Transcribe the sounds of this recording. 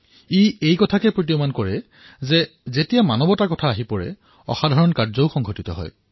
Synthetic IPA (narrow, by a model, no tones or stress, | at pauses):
iejkɔtʰakɛpɹot̬iomankɔɹɛ | zɛzetijamanɔbɔtakɔtʰaːɦipɔɹɛ̰ | ɔ̰xadʱaɹɔnkaɹzɔʊxɔŋɡʱotitɔ̰ɦɔ̰j